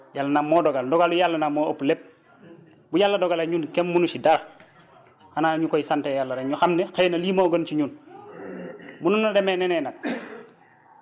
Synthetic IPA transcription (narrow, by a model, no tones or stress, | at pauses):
jalːɐnamːɔːdɔɡaldɔɡalujalːɐnamːoːoplep̚ | bujalːɐdɔɡaleɲunkemːunusidaɾ | hanaːɲukɔjisantejalːɐɾeɲuxamnɛxenɐlimoɡɐnt͡ʃiɲun | mununːadɛmenɛnɛnak̚